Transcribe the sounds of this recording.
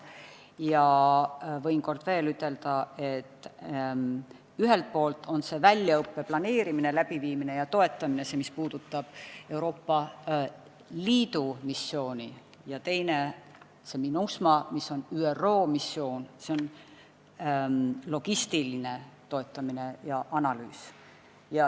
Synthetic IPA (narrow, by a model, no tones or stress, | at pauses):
jɑ | vɤ̞jnko̞rd̪̥ve̞ːlyt̪ːˑe̞ld̪̥ɑe̞t̪ːˑ | yɦe̞lt̪̚po̞ːlt̪ːˑo̞nse̞vælʲjɑɤpːe̞plɑne̞ːɾimine̞læb̥iviːmine̞jɑt̪o̞e̞t̪ˑːɑmine̞semispuːd̪̥ut̪ˑːɑb̥e̞wɾo̞ːpːɑ | liːd̪̥umisːo̞ːnʲi | jɑt̪e̞jne̞ | se̞minusmɑmisːo̞nyːero̞ːmisːo̞ːnseon | lo̞ɡ̥ist̪iline̞t̪o̞e̞t̪ːˑɑmine̞jɑʔɑnɑlyːs | jɑ